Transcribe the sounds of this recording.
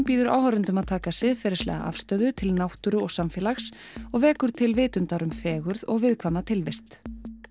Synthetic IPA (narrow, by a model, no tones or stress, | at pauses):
piːðʏɾʔa̰ːwhaɾʏnt̪ʏmaðt̪ʰaːkasɪðfɪɾɪɾ̥slɛ̰ːɣa̰ʔa̰fst̪œɥðʏt̪ʰɪlnawht̪ʏɾʏɔɣsamfɪɛlaxs | ɔɣvɛːkʏɾ̥t̪ʰɪlvɪːt̪ʏnt̪aɾʏmfɛːɣʏɾðɔɣvɪðkʰvaːmat̪ʰɪlvɪst̪